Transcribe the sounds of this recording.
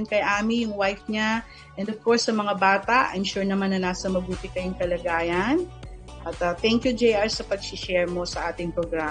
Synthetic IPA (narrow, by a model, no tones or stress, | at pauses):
nkɐjʔaːmijʊŋwajfɲa | ʔɛ̃nd̪ov̥koɹsːɐmɐŋabaːt̪ɐʔɐ̰jmʃuɹnɐmanːɐnaːsɐmɐbuːt̪ɪkɐjoŋkɐlɐɡaːjɐn | ʔɐt̪ɐt̪ɛŋkjud͡ʒejʔaɹsɐpɐɡ̚sɪʃɛɹmo̞sɐʔaːt̪ɪŋpɾoɡɾa